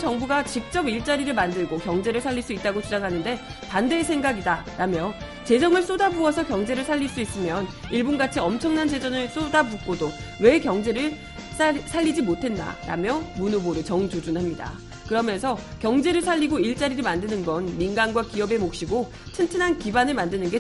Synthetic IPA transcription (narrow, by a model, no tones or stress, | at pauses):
t͡ɕʌŋbuɡat͡ɕik̚t͡ɕ͈ʌbiɭt͡ɕ͈aɾiɾɯɭmandɯɭɡokjʌŋd͡ʑe̞ɾɯɭsʰaʎːiɭs͈uit̚t͈aɡot͡ɕʰud͡ʑaŋɦanɯnde̞ | pandesʰe̞ŋɡaɡidaɾamjʌ | t͡ɕe̞d͡ʑʌŋɯɭs͈odabuʌsʰʌkjʌŋd͡ʑe̞ɾɯɭsʰaʎːiɭs͈uis͈ɯmjʌniɭbunɡat͡ɕʰiʌmt͡ɕʰʌŋnant͡ɕe̞d͡ʑʌnɯɭs͈odabuk͈odo | we̞kjʌŋd͡ʑe̞ɾɯɭ | ssʰaʎːid͡ʑimotʰe̞nda̰ɾa̰mjʌmunoboɾɯɭt͡ɕʌŋd͡ʑod͡ʑunɦamɲida̰ | kɯɾʌmjʌnsʰʌkjʌŋd͡ʑe̞ɾɯɭsʰaʎːiɡoiɭt͡ɕ͈aɾiɾɯɭmandɯnɯnɡʌnminɡanɡwakiʌbe̞mok̚ɕ͈iɡo | t͡ɕʰɯntʰɯnɦankibanɯɭmandɯnɯnɡe̞